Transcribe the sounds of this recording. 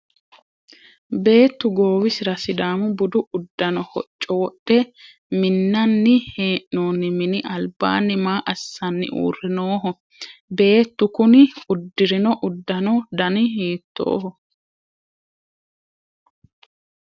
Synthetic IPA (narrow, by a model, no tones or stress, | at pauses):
be̞ːt̪ːʊɡoːwɪsɪɾɐsɪd̪aːmʊbʊd̪ʊʊd̪ːɐnɔhɔt͡ʃʼːɔwɔɗːɛ | mɪnːɐnːɪheːʔnoːnːɪmɪnɪʔɐlba̰ːnːɪmaːʔɐsːɐnːɪ̰ʔṵːrɛnoːɦɔ | be̞ːt̪ːʊkʊnɪʊd̪ːɪɾɪnɔʔʊd̪ːɐnɔd̪ɐnɪɦiːt̪ːo̰ːhɔ